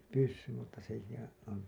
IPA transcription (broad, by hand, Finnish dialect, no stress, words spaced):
pysːym mutːɑ sekihæ̃ː on